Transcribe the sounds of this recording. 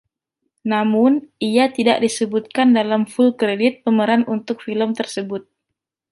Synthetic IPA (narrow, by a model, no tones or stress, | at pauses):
namʊnʔiat̪idaʔdisəbut̪̚kandalamfulkɾedɪt̪̚pəməɾanunt̪ʊk̚filəmt̪ərsəbʊt̪̚